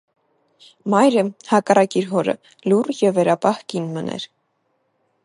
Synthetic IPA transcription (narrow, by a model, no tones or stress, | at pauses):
mɑjɾəhɑkɑrɑkiɾɦɔɾə̰ | lurjɛvːɛɾɑpɑhkinmənʔɛ̰ɾ